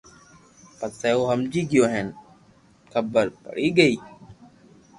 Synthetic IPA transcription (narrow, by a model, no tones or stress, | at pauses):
pəseːoːɦəmd͡ʒiːɡɪjoːɦen | kʰəbəɾpə̰ɽiːɡəiː